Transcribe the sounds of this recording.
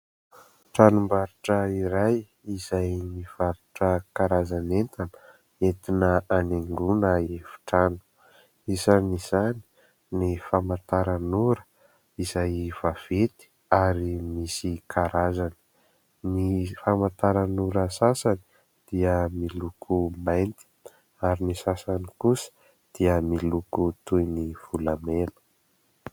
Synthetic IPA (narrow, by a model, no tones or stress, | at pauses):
ʈ͡ʂanumbaɾuʈ͡ʂəiɾaj | iz̥ajniv̥aɾuʈ͡ʂəkaɾazanent̪anə̥ | et̪inəaneŋɡunəefi̥ʈ͡ʂanu̥ | izaniz̥ani̥ | nifamant̪aɾanuɾə̥ | izajv̥av̥et̪i̥ | aɾimisikʰaɾazani̥ | nifamant̪aɾanuɾəsasani̥ | d̪̥iəmilukʰumajnt̪i̥ | aɾinisasanikusə̥ | d̪̥iəmilukut̪ujniv̥ulamenə̥